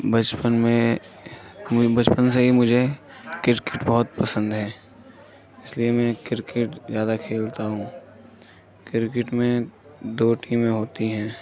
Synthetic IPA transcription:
bɐt͡ʃpənmẽ | bɐt͡ʃpənseɦimʊd͡ʒʱe | kɪɾkɪʈbɔɦʊt̪̚pɐsə̃nd̪ɦɛː | ɪsliemɛ̃kɪɾkɪʈzjaːd̪akʰeːlt̪aɦũː | kɪɾɪkɪʈmẽ | d̪oːʈiːmẽɦoːt̪iɦɛ̃ː

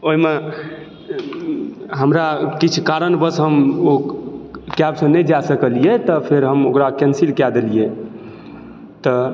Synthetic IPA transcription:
oɦime | ɦəmɾakit͡ʃʰkaɾənbəsɦəmo | kɛpsə̃nɛd͡ʒasəkəlijet̪ɔpʰeɾɦəmokɾakɛnsilkad̪elije | t̪ɔ

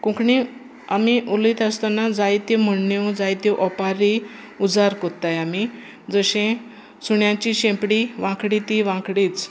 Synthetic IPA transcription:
kũkɳi | amiʔulit̪ast̪anad͡zajt̪jem̤əɳːjõd͡zajt̪jiʔɔpaɾi | ud͡zaɾkɔt̪ajami | d͡zəɕẽ | suɳjãt͡ɕiɕẽmpɽiʋãkɽit̪iʋãkɽit͡s

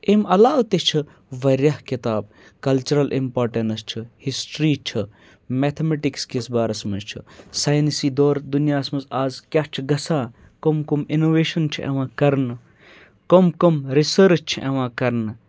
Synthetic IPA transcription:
emɐlaːwt̪et͡ʃʰɨ | ʋɐɾʲjahkit̪aːb̚ | kɐlt͡ʃuɾɐlʔḭmpoːɾʈenst͡ʃʰihisʈɾiːt͡ʃʰɨ | meːt̪ʰemeʈikskesbaːɾɐsmɐnt͡ʃʰḭsaːjnsiːd̪oːɾd̪unijaːsmɐzaːzkʲaːt͡ʃʰiɡɐsãː | komkominoʋeːʃɐnt͡ʃʰiʔḛʋãːkɐɾnɨ | komkomɾisəɾt͡ʃt͡ʃʰiʔḛʋãːkɐɾnɨ

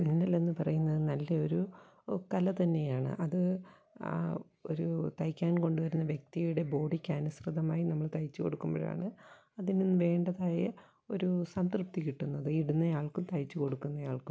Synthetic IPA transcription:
ninːɐle̞nːɨpɐrɐjunːɐðɨnɐlːɐo̞ɾu | kɐlɐt̪ɐnːe̞jaːɳɨ̰ʔɐðɨ | o̞̰ɾut̪ɐjkʲːaːnko̞ɳɖuʋɐɾunːɐʋjek̚t̪ijuɽe̞bo̞ːɽikʲːɐnusrɨðɐmaːjinɐmːɐɭt̪ɐjt͡ɕːuko̞ɽukːumbo̰ːɻa̰ːɳɨ | ɐðininːɨʋe̞ːɳɖɐðaːjɐ | oɾusɐnsrɨp̚t̪ikiʈːunːɐðɨiɽunːɐjaːɭkumt̪ɐjt͡ɕːuko̞ɽukːunːɐjaːɭkum

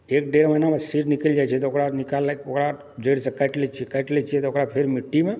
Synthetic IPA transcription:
ek̚ɖeɾmənamẽsiɾnikəld͡ʒajt͡ʃʰiet̪ookɾanikalokɾa | d͡ʒəɽsəkːaʈlet͡ʃʰiekajʈlɛt͡ʃʰiet̪ooːkɾapʰeɾmɪʈːimẽ

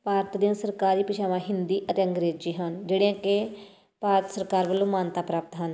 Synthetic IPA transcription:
paːɾət̪d̪ijãːsəɾkaːɾiːpɪʃaːʋãːɦɪnd̪iːʔət̪eːəŋɡɾeːd͡ʒiːɦənd͡ʒeːɽejãːke | paːɾət̪səɾkaːɾʋəlːõːmaːnt̪aːpɾaːp̚t̪ɦən

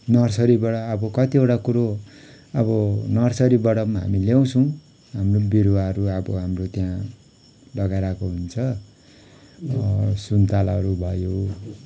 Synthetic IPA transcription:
nʌrsʌɾibʌɽʌːbʌkʌt̪ieʈakuɾo | ʌbʌnʌrsʌɾibʌɽʌmaɦa̰miljaw̃t͡sʰʌ̃w̃ | ɦamrobiɾwaʌɾuʌbʌɦamrot̪jã | lʌɡajɾakoɦunt͡sʰʌ | sunt̪alaɦʌɾubʱʌjo

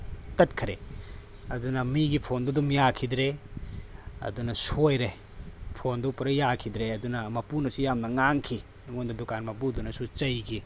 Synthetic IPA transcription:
kɐt̚kʰɐɾḛ | ɐdunɐmiɡipʰondɔdumjakʰidɾe | ɐ̰dunɐsojɾe | pʰondɔpɐɾɐjakʰidɾeɐdunɐmɐpunɐsujamnɐŋaŋkʰi | ŋondɐdukanmɐpudunɐsut͡ʃɐjɡi

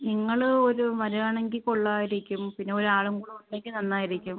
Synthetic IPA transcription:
niŋːɐɭoɾuʋɐɾɐɐɳeŋɡilkoɭːaːjiɾikʲːumpinːe̞oɾuaːɭuŋkuɽuuɳɖeŋɡilnɐnːaːjiɾikʲːum

